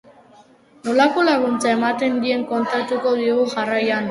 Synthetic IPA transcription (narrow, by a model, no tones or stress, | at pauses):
nolako̞laɣunt͡sae̞mat̪e̞nd̪ie̞ŋko̞nt̪at̪uko̞ðiɣuxarajan